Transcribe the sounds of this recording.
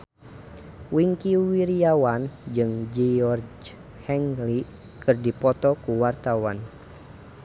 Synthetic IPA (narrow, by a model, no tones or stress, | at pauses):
wiŋkiwiɾiawand͡ʒɨŋd͡ʒɛɔrd͡ʒ | hɛŋli | kɨrdipɔt̪ɔkuwart̪awan